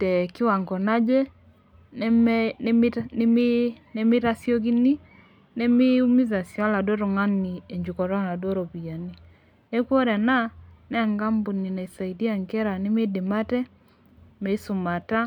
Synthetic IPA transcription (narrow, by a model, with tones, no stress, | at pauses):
tɛ˨kɪ˦wa˨ŋɡɔ˨na˦d͡ʒe˦ | n˦m˦ne˦mɪ˦ɾa˦sjo˦k̬i˦ni˦ | ne˦mɪ˦u˦mi˦za˨sja˦la˨do˦ɾo˨ŋa˦ni˨e˨ɲd͡ʒu˨kɔ˨ɾɔ˦na˨do˦ɾo˨pi˨a˨ni˦ | e˦kwo˦ɾa˨na˦nɛ˦˨ŋɡa˦mbu˨ni˨na˨sa˨i˨di˦a˨ŋke˦ɾa˨nɪ˦mɪ˦dɪ˨ma˦tɛ˦ | me˨i˦su˨ma˨ta˦